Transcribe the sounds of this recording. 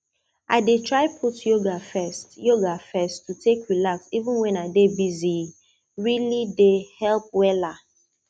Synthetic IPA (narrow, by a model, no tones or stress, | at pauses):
ʔaɪdetɹaɪpʰutjoɡafɛstjoɡafɛstʰːutʰekɹilaksivũnwɛ̃naɪdebizi | ɹilidehɛlp̚wɛla